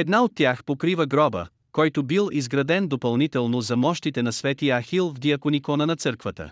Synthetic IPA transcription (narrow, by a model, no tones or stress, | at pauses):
ɛd̪naot̪ːjaxpokɾivəɡɾɔbə̰ | kɔjt̪obilˠizɡɾɐd̪ɛnd̪opɐlˠnit̪ɛlˠnozɐmɔʃt̪it̪ɛnɐsvɛt̪ijəɐxilˠvd̪iɐkonikɔnənɐt̪sɤɾkvət̪ə̰